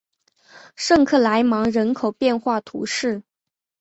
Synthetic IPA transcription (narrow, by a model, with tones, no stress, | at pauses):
ʂɤ˥˧ŋkʰɤ˥˩la˧˥ɪmɑ˧˥ŋɻə˧˥nkʰo˨˩ʊpjɛ˥˧nxwa˥˩t̪ʰṵ˧˥ʂɻ̩˥˩